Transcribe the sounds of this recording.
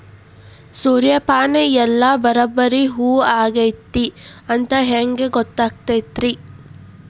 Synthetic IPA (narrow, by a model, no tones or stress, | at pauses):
suːɾjɐpaːneɛlːɐbɐɾɐbːɐɾiɦuːaːɡejt̪ːiɐnt̪ɐɦeːŋɡeɡɔt̪ːaːk̚t̪ejt̪ɾi